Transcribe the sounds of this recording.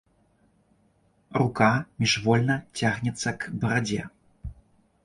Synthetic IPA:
rukamʲiʐvɔlʲnɐt͡sʲaɣnʲɛt̪sːɐkbɐɾad͡zʲɛ

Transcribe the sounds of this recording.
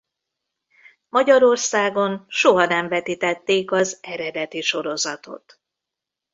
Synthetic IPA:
mɒɟɒɾo̞rsaːɡo̞nʃoɦɒnɛmvɛt̪it̪ɛt̪ːeːkɒzɛɾɛd̪ɛt̪iʃo̞ɾo̞zɒt̪o̞̰t̪

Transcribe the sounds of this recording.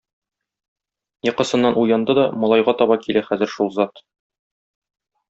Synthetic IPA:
jɤ̆qɤ̆sɤ̆nːɑnʔujɑnd̪ɤd̪ɒmɒlˠɑjʁɑt̪ɒβɑkilæχæzɘ̆ɾʃulˠzɑt̪

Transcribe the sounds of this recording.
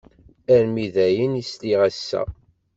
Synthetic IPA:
æɾmiðæjənisliʁæsːæ̰

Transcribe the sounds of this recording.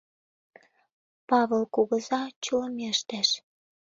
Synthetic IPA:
pɑβɤlkuɣə̆zɑt͡ɕuləmeʃt̪æʃ

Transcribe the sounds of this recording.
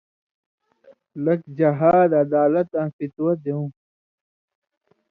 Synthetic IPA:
lɐkd͡ʑɐɦaːd̪ɐd̪aːlɐt̪ãːfit̪wɐd̪eũ

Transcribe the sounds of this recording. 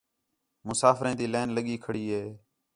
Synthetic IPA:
mʊsaːfɾẽːt̪iːleːnləɠiːkʰəɽiːɦeː

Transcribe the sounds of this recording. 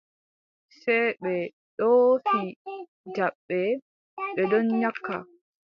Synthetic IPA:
sɛjɓɛ | ɗɔfi | daɓːɛ | ɓɛɗɔnɲakʰːa̰

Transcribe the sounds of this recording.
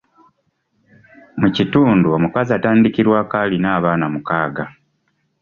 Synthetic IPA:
mucituːnduomukazataːndikiɾwaːkalinaːβaːnamukaːɡa

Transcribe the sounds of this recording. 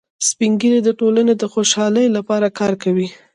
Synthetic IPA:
spiŋɡined̪əʈolaned̪əxoʃɑləjlapɑɾakɑɾkawi

